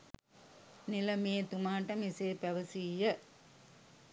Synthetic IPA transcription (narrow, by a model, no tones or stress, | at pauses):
nilɐmeːt̪umaːʈɐmiseːpæʋɐsijə